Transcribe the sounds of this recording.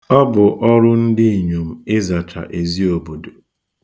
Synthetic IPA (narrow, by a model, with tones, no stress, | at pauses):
ɔ˦bʊ˨ʔɔ˦ɾʊ˦n̩˦dɪ˦i˨ɲo˨m̩˨ɪ˦za˨t͡ʃa̰˨ʔe˨zi˦o˨bo˨do˨